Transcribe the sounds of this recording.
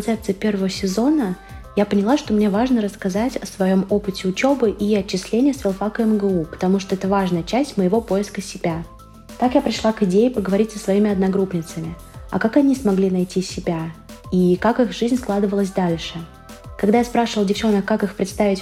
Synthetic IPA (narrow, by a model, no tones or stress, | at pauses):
nsɛp̚t̪sɨjɪpʲe̞rvəvəsʲɪzo̞nə | japənʲɪlˠaʂt̪o̞mnʲe̞vaʐnəɾəskɐzatʲɐsvɐjo̞mo̞pɨtʲɪʊt͡ɕo̞bɨʔiɐt͡ɕːɪsʲlʲenʲɪjəsvʲɪlˠfakəɛmɡəupə̥t̪ɐmuʂt̪oɛt̪əvaʐnəjət͡ɕæsʲtʲməjɪvo̞po̞jɪskəsʲɪbʲa | t̪akjapɾʲɪʂlˠakɨdʲejɪpəɡəvɐɾʲitʲsəsvɐimʲɪɐd̪nɐɡɾupnʲɪt̪səmʲɪ | ɐ̰kakɐnʲismɐɡlʲinɐjtʲisʲɪbʲaikakɨxʐɨzʲnʲsklˠad̪ɨvəlˠəs̬ʲd̪alʲʂɨ | kɐɡd̪ajaspɾaʂɨvəlˠdʲɪft͡ɕo̞nəkːakɨxpɾʲɪt̪st̪avʲɪtʲ